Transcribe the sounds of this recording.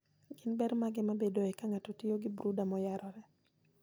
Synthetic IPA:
ɡɪnbɛɾmaɡɛmabedoɛkaŋatɔtɪjoɡɪbɾudamɔjaɾɔɾɛ

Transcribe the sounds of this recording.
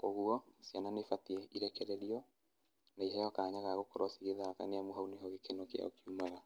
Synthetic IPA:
kɔɣuɔsjananefatiɛiɾɛkɛɾɛɾiɔ | naiɦɛjɔkaɲaɣaɣokɔɾɔsiɣeðaka̰neamoɦauneɦɔɣekenɔkea̰okiumaɣa

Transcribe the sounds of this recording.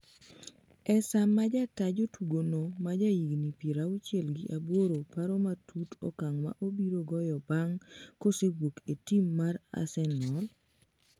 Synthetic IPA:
ɛsamːad͡ʒatad͡ʒotuɡonomad͡ʒajiɡnipeɾaut͡ʃɪɛlɡɪʔabwoɾopaɾɔmatʰutʰɔ̰kaŋma̰ʔobiɾoɡɔjɔbaŋkoseɡwoketimːaɾa̰sɛnɔl

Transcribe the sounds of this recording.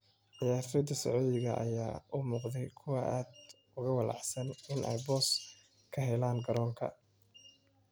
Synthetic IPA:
ʕɑjaːfɪd̪ɐsɐʕuːðɪɣɐʔɐ̰jaːʊmuːqðɛjkʰʊwɑʔaːd̪ | ʊɣɐwɑlɑ̰ʕsɐnɪnʔɛ̰jbɔːs | kʰɐɦɛlaːŋɡɐɾɔːŋkʰɐ̰

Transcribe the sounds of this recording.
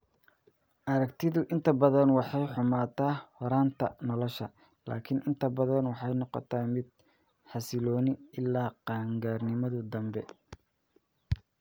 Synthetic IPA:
ʔɐɾɐkt̪ʰɪðʊʔɪnt̪ʰɐbɐðɐnwɑħɑjħʊmaːt̪ʰaːhɔɾaːnt̪ʰɐnɔlɔʃɐ | la̰ːkʰɪnʔɪnt̪ʰɐbɐðɐnwɑħɑjnɔqɔ̰t̪ʰaːmɪd̪̚ | ħɑsɪlɔːnɪɪlːaːqɑːŋɡaːrnɪmɐðʊd̪ɐmbɛ

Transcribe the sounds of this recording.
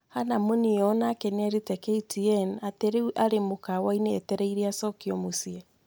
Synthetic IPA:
hanamonijɔnakenɛɾitɛkeitiɛnateɾeuʔaɾemokawaineɛtɛɾɛiɾeasɔkiɔmosiɛ

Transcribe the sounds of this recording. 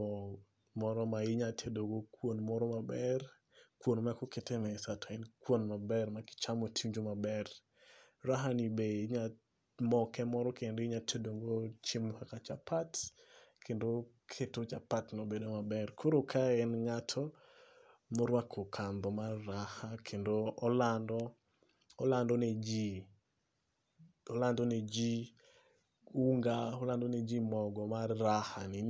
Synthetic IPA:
ɔ | mɔɾɔmaɪɲatʰedoɡokwonmɔɾɔmabɛr | kwonmakoketɛmɛsatʰaɛnkwonmabɛrmakɪ̥t͡ʃamotʰimd͡ʒomabɛr | raɦanibeiɲa | mɔkɛmɔɾɔkendoiɲatʰedoŋɡot͡ʃɪmhakat͡ʃapʰat | kʰendo | kʰetot͡ʃapatnobedomabɛrkʰoɾokʰaɛnŋatʰɔ | mɔɾwakʰokʰand̪ɔmarːahakʰendoɔlandɔ | ɔlandɔned͡ʒi | ɔlandɔned͡ʒi | uŋɡaɔlandɔned͡ʒimɔɡɔmarːahanɪ

